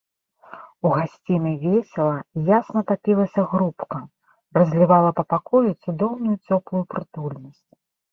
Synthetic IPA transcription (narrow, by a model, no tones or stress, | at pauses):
uɣasʲt͡sʲinɐjvʲɛsʲɛlˠɐjasnɐt̪apʲilˠɐsʲɐɣɾupkɐ | rɐzʲlʲivalˠɐpɐpakɔjut̪sud̪ɔwnujut͡sʲɔplˠujupɾɨt̪ulʲnɐsʲt͡sʲ